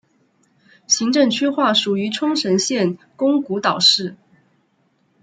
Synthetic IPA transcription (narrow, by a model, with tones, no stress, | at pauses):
ɕi˧˥ŋʈ͡ʂɤ˥˩ŋt͡ɕʰy˥xwa˥˩ʂu˨˩y˧˥ʈ͡ʂʰʊ˥ŋʂə˧˥nɕjɛ˥˨n | kʊ˥ŋku˧˥t̪ɑ˨˩ʊʂɻ̩˥˩